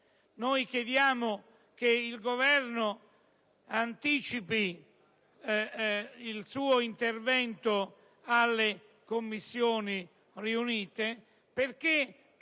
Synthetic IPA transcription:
nojk̟jed̪jaːmʊ | keilɡovɛrnʊ | ant̪iːt͡ʃipi | ilsuːoint̪ervɛnt̪ʊ | alːe | komːisːjoːni | riuniːt̪e | perke

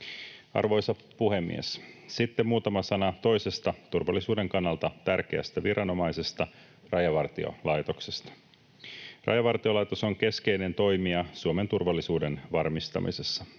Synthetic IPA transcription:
ɑ̰rʋo̞jsɑ | puhe̞mːḭḛssit̪ːemuːt̪ɑmɑsɑnɑt̪o̞jse̞st̪ɑt̪urʋɑlːisuːde̞ŋkɑnːɑlt̪ɑt̪ærk̟e̞æ̰st̪æʋiɾʔɑno̞mɑjse̞st̪ɑ | rɑjɑʋɑrt̪io̰lɑjt̪o̞ksest̪ɑ̥ | rʔɑ̰jɑʋɑrt̪io̞lɑjt̪o̞so̞ŋke̞ske̞jne̞nt̪o̞jmiɑsuome̞nt̪urʋɑlːisuːde̞nʋɑrmist̪ɑ̰mḭse̞sːɑ

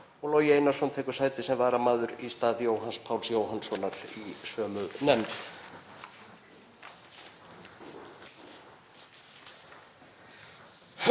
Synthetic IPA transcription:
ɔɣloːjejnːasɔnt̪ʰɛːkʏɾ̥saːjt̪ɪsɛmvaːɾamaːðʏɾist̪aːðiowɦanspʰaːwlsjoːwɦansɔnːaɾisœːmʏnɛmt̪

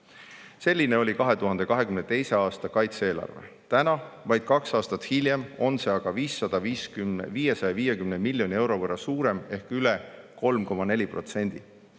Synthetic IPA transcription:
se̞lʲːine̞o̞lʲikɑɦe̞t̪uɦɑnd̪e̞kɑɦe̞kymnet̪e̞jse̞ɑːst̪ɑkɑjt̪see̞ːlɑ̰rve̞̰ | t̪ænɑvɑjd̪̥kɑksɑːst̪ɑt̪ːhiljemo̞nse̞ɑɡ̥ɑviːsːɑd̪̥ɑviːskymviːje̞sɑjɑviːje̞kymne̞milʲjo̞nʲie̞wɾo̞vɤrːɑsuːɾe̞me̞hkylɛ | ko̞lmko̞mɑne̞lʲipro̞t̪se̞nʲd̪̥i

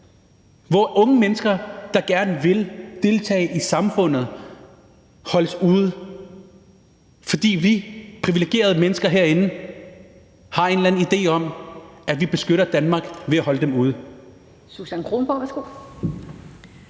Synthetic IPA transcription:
ʋɒʔɔ̽ŋəmenəsɡ̥ɐd̥ɑ̈ɡ̥æɐnəʋe̝ld̥e̝lt͡sʰɛ̰ːɪʔisɑ̈mfɔ̽n̰ð̞̩ˠ | hɒ̽ləsuːð̞ˠ | fɒ̽d̥ḭːʋipʰʁiʋile̝ɡ̥e̝̰ːɐð̞̩ˠəmenəsɡ̥ɐɦeɐ̰e̝nn̩ | hɑ̈e̝nlæn̩id̥e̝̰ːɒ̽m̰æʋib̥e̝sɡ̥øɾ̥ɐd̥ænmɑ̈ːɡ̥ʋe̝æhɒ̽ləd̥emuːð̞̩ˠ | susænkʰʁo̝ːmb̥ɒ̰ʋæɐsɡ̥o̝̰ː

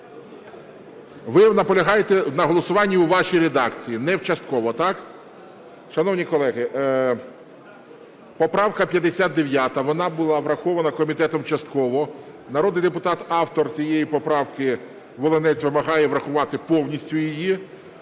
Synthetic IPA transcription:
ʋɪnɐpɔlʲɐɦɑjet̪ɛnɐɦɔlˠɔsʊʋɑnʲːiuʋɑʃijɾed̪ɑkt͡sʲijinɛwt͡ʃɐst̪̚kɔʋɔt̪ɑk | ʃɐnɔwnʲikɔlˠɛɦɪ | pɔpɾɑwkɐpʲjɐd̪esʲad̪t̪̚d̪eʋʲjat̪ɐʋɔnɑbʊlˠɑʋɾɐxɔʋɐnɐkɔmʲit̪ɛt̪ɔmt͡ʃɐst̪kɔʋɔ | nɐɾɔd̪nɪjd̪epʊt̪ɑt̪ɑwt̪ɔrt͡sʲijejipɔpɾɑwkɪ | ʋɔlˠenɛt͡sʲʋɪmɐɦɑjɛʋɾɐxʊʋɑt̪ɪpɔwnʲisʲtʲʊjiji

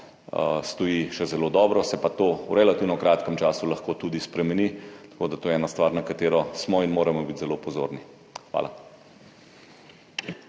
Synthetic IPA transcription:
st̪ɔjiʃɛzɛloːd̪ɔːbɾɔsɛpat̪owɾɛlat̪iːwnɔkɾaːt̪kəmt͡ʃaːsulɐxkot̪ud̪ispɾɛmɛnit̪ɐ̥koːd̪at̪oːjɛɛːnast̪ʋaːɾnakat̪eːɾɔsmɔinmoːɾɛmɔbit̪zɛlopɔzo̰ːɾni | xʋa̰ːla̰

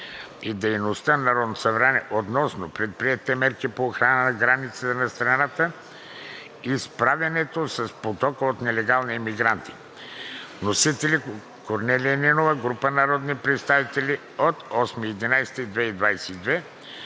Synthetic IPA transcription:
id̪ɛjnost̪ənɐɾɔd̪nosɐvɾanɛʔot̪nɔsnopɾɛt̪̚pɾiɛt̪ɛmɛɾkipoːxɾanənɐɡɾanit̪sət̪ənɐst̪ɾɐnat̪ə | ispɾavʲjɐnɛt̪osɐspot̪ɔkəot̪nɛlɛɡalˠniɛmiɡɾant̪i̥ | nosit̪ɛli | koɾnɛlʲiɛnɛnovəɡɾupənɐɾɔd̪nipɾɛt̪st̪avit̪ɛlʲi | ot̪ɔsmiːd̪inajsɛ̥t̪id̪vɛid̪vajsɛ̥id̪vɛ

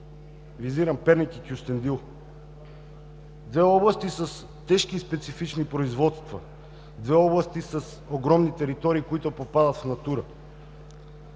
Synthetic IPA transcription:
viziɾɐmpɛɾnikikʲiust̪ɛnd̪ilˠ | d̪vɛɔblˠast̪isəs | t̪ɛʃkiːspɛt̪sifit͡ʃnipɾoizvɔt̪st̪va̰ | d̪vɛɔblˠast̪isɐs | oɡɾɔmnit̪ɛɾit̪ɔɾiːkoit̪opopad̪ɐt̪fnat̪uɾa

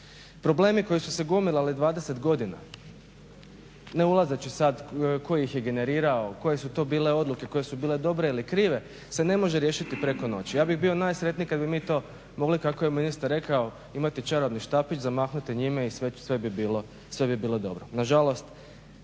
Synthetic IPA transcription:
pɾo̞ble̞ːmiko̞jisuse̞ɡumilalid̪ʋaːd̪eset̪ɡo̞d̪ina̰ | ne̞ulˠazat͡ɕisad̪ko̞jiixjeɡe̞ne̞ɾiːɾaoko̞jesut̪o̞ːbiːle̞o̞d̪luke̞ko̞je̞subiːle̞d̪o̞bɾe̞ilikɾiːʋe̞ | se̞ne̞mo̞ʒeɾje̞ːʃit̪ipɾe̞ko̞no̞t͡ɕijaːbiɣbio̞naːjsɾet̪nikad̪bimiːt̪o̞ː | mo̞ɡlikako̞jeminist̪aɾːe̞kao | imat̪it͡ʃaɾobniʃt̪apit͡ʃzamaːxnut̪iɲimeisʋesʋebibiːlo̞ | sʋe̞bibiːlˠo̞d̪o̞̰bɾonaʒalo̞st̪

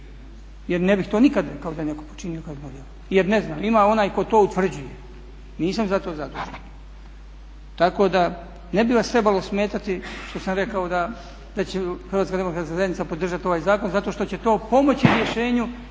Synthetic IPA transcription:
jeɾnebixt̪o̞ːnikad̪ɾekaod̪ajeneko̞po̥t͡ʃinio̞kamod̪jelo | jeɾneznaimaːo̞naːjko̞t̪o̞ːut̪ʋr̩d͡ʑuje | niːsamzat̪ozad̪oʋooɾen | t̪ako̞ːd̪a | nebiʋast̪ɾe̞balosme̞ːt̪at̪iʃt̪o̞samɾe̞kao̞d̪a | d̪at͡ɕexɾrʋaːt̪kad̪emokɾat̪kazajenit̪apod̪r̩ʒat̪ioʋaːjzaːko̞nzat̪o̞ʃt̪o̞t͡ɕet̪o̞ːpo̞mo̞t͡ɕiɾjeʃe̞ːɲu

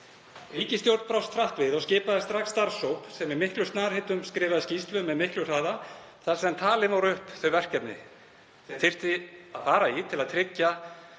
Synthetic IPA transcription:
riːcɪst̪jowɾt̪pɾawst̪ʰɾaht̪vɪðɔɣscɪːpaðɪst̪ɾaxksːt̪aɾ̥sowpsɛmɪɾmɪhklʏst̪naːɾ̥hɪt̪ʏmskɾɪːvaðscist̪lʏmɛðmɪhklʏɾ̥θaːða | θasiðant̪ʰaːlɪvawɾʏhpθœɥvɛr̥cɛpnɪ̰ | θɛθɪr̥t̪ɪafaːɾait̪ʰɪlaðt̪ʰɾɪcːa

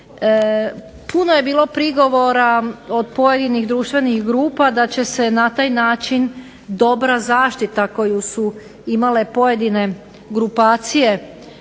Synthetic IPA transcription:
puno̞je̞biːlˠo̞pɾiɡo̞ʋo̞ɾaod̪̚po̞je̞d̪iniɣd̪ɾuːʃt̪ʋe̞nixɡɾuːpad̪at͡ɕe̞se̞nat̪aːjnaːt͡ʃin | d̪o̞bɾazaːʃt̪it̪ako̞jusu | imale̞po̞je̞d̪ine̞ | ɡɾupaːt̪sije̞

